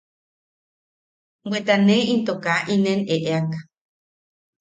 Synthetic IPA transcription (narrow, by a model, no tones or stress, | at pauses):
wʷet̪anẽint̪okaʔineneʔeakḁ